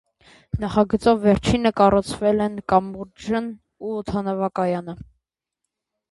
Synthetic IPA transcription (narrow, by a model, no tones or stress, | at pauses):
nɑχɑɡət͡sɔvːɛɾt͡ʃʰinəkɑrɔt͡sʰvɛlɛnkɑmbuɾd͡ʒən | uːt̪ʰɑnɔvɑkɑjɑnə